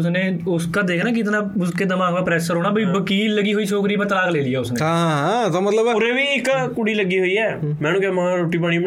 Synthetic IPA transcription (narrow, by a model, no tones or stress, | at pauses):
ʊsneːʊskaːd̪eːkʰnaːkɪt̪nãːbʊskeːd̪ɪmaːɡdaːpɾɛːsəɾɦoːɽɳaːbəiːʋəkiːlːəɡiːɦoːiːt͡ʃʰoːkɾiːpət̪əlaːkleːliːɛːʊsneãɦt̪aːmət̪ləbʊɾeːʋiːɪkkʊɽiːləɡiːɦoːiːɛː | mɛ̃ːnũːkɛmãːɾoːʈiːpaːɽ̃iː